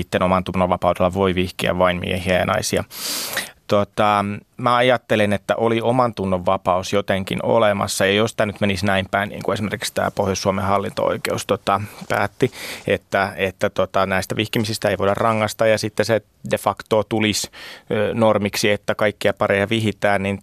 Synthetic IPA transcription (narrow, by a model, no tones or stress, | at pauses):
it̪ːenomɑnt̪unːoʋʋɑpɑudelːɑʋoiʋihkiæ̰ʋɑinmḭehiæjɑnɑ̰isijɑ̰ | t̪ot̪ɑmæɑjɑt̪ːelenet̪ːæ̰ʔoliomɑnt̪unːoʋːɑpɑusjot̪eŋkḭno̰lemɑ̰sːɑjɑjost̪ænyt̪menisnæimpæinnḭːŋkuesimerki̥kst̪æ̰ːpohjosːuomehɑlːint̪o̰o̰ikeust̪ot̪ɑpæ̰ːt̪ːiet̪ːæet̪ːæt̪ot̪ɑnæist̪æʋihkimisist̪æeiʋoidɑrrɑŋːɑst̪ɑjɑsit̪ːese | defɑkt̪oːt̪ulis | normiksiet̪ːækɑikːiɑpɑrejɑʋihit̪æːnnin